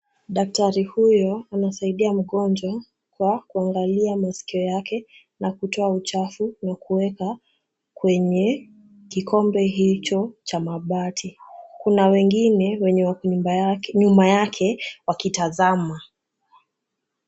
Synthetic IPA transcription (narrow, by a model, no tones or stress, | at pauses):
ɗak̚taɾihujɔanasaiɗiam̩ɠɔnd͡ʒwa | kwakuaŋɡaliamasi̥kiɔjakʰɛ | nakutʰɔaut͡ʃafunakuwɛka | kwɛɲɛ | kikʰɔmbɛɦit͡ʃɔt͡ʃamaɓatʰikunawɛŋɡinɛwɛɲɛwa | ɲumajakʰɛwakitazama